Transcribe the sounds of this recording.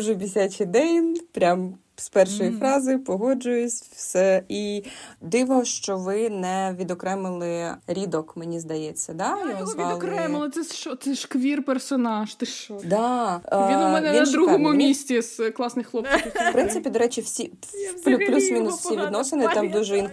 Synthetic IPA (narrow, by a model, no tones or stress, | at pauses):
uʒɛbʲisʲat͡ʃʲɪd̪ɛjnʲpɾʲam | spɛrʃɔjifɾɑzɪʊpɔɦɔd͡ʒʊjʊsʲwsɛid̪ɪʋɔʃt͡ʃɔʋɪnɛʋʲid̪ɔkɾɛmɪlˠɪɾʲid̪ɔkmenʲizd̪ɐjɛt͡sʲːɐd̪ɑjɔɔzʋɑlˠnɛmɪlˠɪsɛt͡ʃɔt̪sɛʃkʋʲirpersɔnɑʃt̪ɛɔd̪ɑiɛnɛninɐd̪ɾuɦɔmʊmʲisʲtʲisklˠɑsnɪxlˠɔpt͡sʲipɾɪnt̪sɪpʲid̪ɔɾɛt͡ʃʲiwsʲi | plʲuplʲusmʲinʊsfsʲiʋʲid̪nɔsenɪt̪ɑmd̪uʒɛin